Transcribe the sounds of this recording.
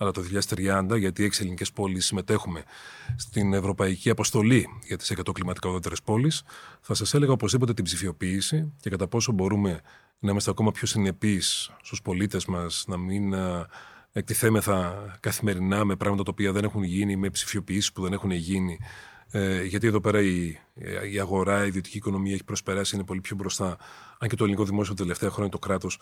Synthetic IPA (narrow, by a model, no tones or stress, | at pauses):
ɐlɐt̪oðiçiʎɐðest̪ɾiɐnd̪ɐʝɐt̪ieçiselinice̞spo̞lisːime̞t̪e̞xume̞st̪ine̞vɾo̞pɐiciɐpo̞st̪o̞liʝɐt̪i̥se̞kɐt̪o̞klimɐt̪ikaɐoðot̪e̞ɾespo̞lisθɐsɐse̞le̞ɣɐopozðipo̞t̪̬e̞t̪ibzifio̞piːsice̞kɐt̪ɐpo̞so̞bo̞ɾume̞ | nɐimɐst̪eɐko̞mɐpço̞sine̞pisːt̪uspo̞lit̪e̞zmɐsnɐmin | ek̚t̪iθemeθɐkɐθime̞ɾinɐmepɾɐɣmɐt̪ɐt̪ɐopiɐðe̞ne̞xunʝinime̞psi̥fio̞piisispuðe̞nexune̞ʝini | ʝɐt̪ie̞ðo̞pe̞ɾɐi | iɐɣo̞ɾɐiðio̞t̪i̥ciːkono̞miɐeçipɾo̞spe̞ɾɐsiinepo̞lipço̞bɾo̞st̪ɐɐɲce̞t̪oliniko̞ðimo̞siot̪t̪ele̞ft̪e̞ɐxɾo̞ɲɐt̪okɾɐt̪o̞s